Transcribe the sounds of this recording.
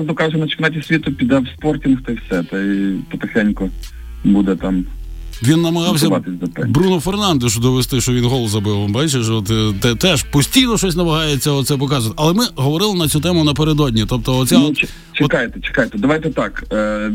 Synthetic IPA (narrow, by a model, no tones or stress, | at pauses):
zd̪ɔkɑʒʊnɐt͡ʃɪknɑtʲisʲʋʲit̪ʊpʲid̪ɑwspɔrtʲinxt̪ɐiwsʲɛt̪ɐpɐt̪exɛnʲkɔ | bud̪ɛt̪ɑmʋʲinːɐmɐɦɑwsʲɐʋɑt̪ɪsʲd̪ɔp̪ɛbɾunɔfernɑnd̪eʃʊd̪ɔʋest̪ɪʃt͡ʃɔʋinɦɔlˠɔzɐbɪwmbɑjt͡ʃeʒɔt̪t̪ɛt̪ɛʃpɔsʲtʲijnɔʃɔsʲnɐmɐɦɑjet͡sʲːɐɔt̪sɛp̬ɔkɑzʊt̪ɐlˠɛmɪɦɔʋɔɾɪlˠɪnɐt͡sʲut̪ɛmʊnɐp̬eɾed̪ɔdʲnʲit̪ɔp̚t̪ɔɔt͡sʲsʲat͡ʃ | t͡ʃeɔkɑjt̪ɛt͡ʃe̥kajt̪ɛd̪ɐʋɑjt̪ɛt̪ɑkː